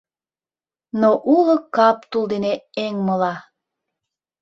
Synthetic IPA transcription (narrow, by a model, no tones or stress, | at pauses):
noʔulə̆kɑp̚t̪uld̪eneeŋməlɑ